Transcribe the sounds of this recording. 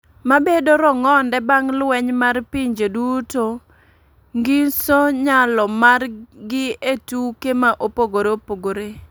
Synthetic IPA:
mabedoɾɔŋɔndɛbaŋlwɛɲmarpiɲd͡ʒeduto | ŋɡinsoɲalɔmarɡɪetukemaʔopoɡoɾeopoɡoɾe

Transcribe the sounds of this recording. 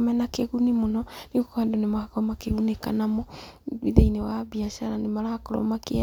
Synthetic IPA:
mɛnakeɣunimonɔniɣokadonemaɣakɔmakeɣunekanamɔwiðeinewabiaʃaɾanemaɾakɔɾɔ̰make

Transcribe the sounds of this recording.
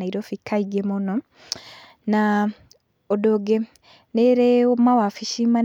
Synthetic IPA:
aiɾofikːaiɡemono | na | odoɡe | neɾeomawafiʃiman

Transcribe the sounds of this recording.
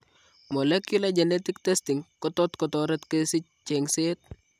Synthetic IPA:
mɔlɛkjulad͡ʒɛnɛtɪktɛstɪŋkɔtɔtkɔtɔɾɛtkesɪc̚ | t͡ʃeŋset̚

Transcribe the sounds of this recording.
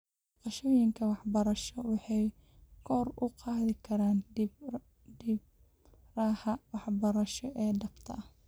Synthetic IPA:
qɑʃɔːjɪŋkʰɐwɑħbɐɾɐʃɔwɑħɑj | kʰɔːrʊqɑːðɪkʰɐɾaːn | dib̚ | raːhɐwɑħbɐɾɐʃɔʔɛːɖɐbt̪ʰɐʔɐh

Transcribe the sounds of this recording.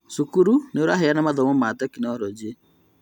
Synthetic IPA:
sukuɾuneuɾaɦeanamaðɔmɔmat̪ɔkinɔɾɔd͡ʒe

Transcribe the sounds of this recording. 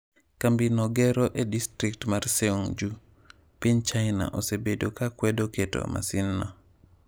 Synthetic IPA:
kambinɔɡɛɾoʔedistɾik̚tmarseuŋd͡ʒu | piɲt͡ʃaɪna̰ʔosebedokakwɛdoketo̰ma̰sinːɔ

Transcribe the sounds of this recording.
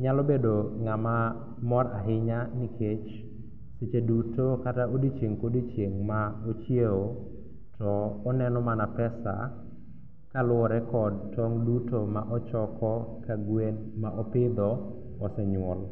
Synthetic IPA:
ɲalɔbedoŋama | mɔɾaɦɪɲaniket͡ʃ | set͡ʃedutokataʔodit͡ʃjeŋkodit͡ʃjeŋmaot͡ʃjeo | tɔːnɛnɔmanapɛsa̰ | kalʊɔɾɛkɔd̚tɔŋdutomaʔɔt͡ʃɔkɔkaɡwen | maʔɔpɪd̪ɔ | ɔsɛɲʊɔl

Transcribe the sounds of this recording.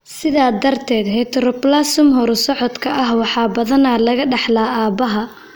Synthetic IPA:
sɪðaːd̪ɐrt̪ʰɛːd̪ɦɛt̪ʰɾɔplaːsʊmɦɔɾsɔʕɔd̪kʰɐʔɐhwɑħɑːbɐðɐnaːlɐɣɐɖɑħlaːaːbɐɦɐ

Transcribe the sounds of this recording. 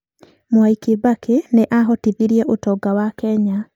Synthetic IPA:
mwaikebakʰeneʔaɦɔtiðiɾiɛʔotɔɡawakɛɲa

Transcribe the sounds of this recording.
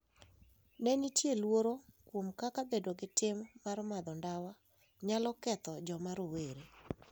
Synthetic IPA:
nɛnitjelwoɾokwomkakabedoɡɪtɪmːarmad̪ɔndawa | ɲalɔkɛt̪ɔd͡ʒɔmaɾoweɾe

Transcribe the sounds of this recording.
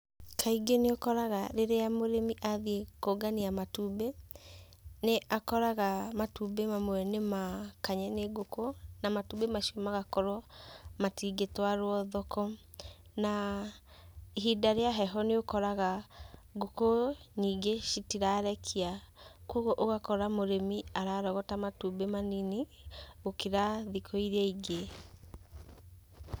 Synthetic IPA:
kʰaiɡeneokɔɾaɣaɾeɾeamoɾemiʔaðiekoɡaniamatube | neʔakɔɾaɣamatubemamwɛnemakaɲɛneɡokonamatubemaʃiomaɣakɔɾɔmatiɡetwaɾwɔðɔkɔ | na | iɦidaɾeaɦɛɦɔneokɔɾaɣaɡokoniːɡeʃitiɾaɾɛkʰiakoɣoʔoɣakɔɾamoɾemiaɾaɾɔɣɔtamatubemanini | ɣokeɾaðikʰɔiɾeaiɡe

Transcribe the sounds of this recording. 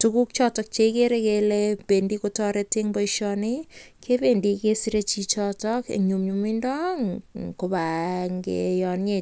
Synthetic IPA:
tukuk̚t͡ʃɔtɔk̚t͡ʃeikeɾekeleb̥endikotɔɾeteŋbɔiʃɔnikʰependikesiɾet͡ʃit͡ʃɔtɔkḛɲumɲumindɔŋkobaŋɡḛjɔnɲe

